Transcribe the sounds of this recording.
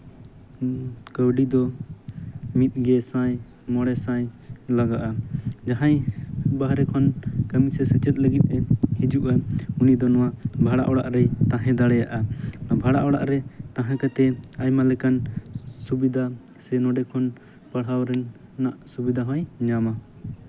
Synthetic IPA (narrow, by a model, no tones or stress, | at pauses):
kəwɖid̪ɔ | mit̪̚ɡɛsãj | mɔɽɛsãjlaɡaʔad͡ʒaɦãjbaɦɾɛkʰɔnkəmisɛsət͡ʃɛt̪̚ˀləɡit̪̚ˀɛhid͡ʒuʔaunid̪ɔnɔwabʱaɽa̰ʔɔɽa̰ʔɾɛjt̪ãɦɛ̃d̪aɽɛjaʔabʱaɽaʔɔɽa̰ʔɾɛt̪ãɦãkat̪ɛajmalɛkansubid̪ʱa | sɛnɔɖɛkʰɔn | pəɽ̤awɾɛnː | aʔsubid̪ʱaɦãjɲama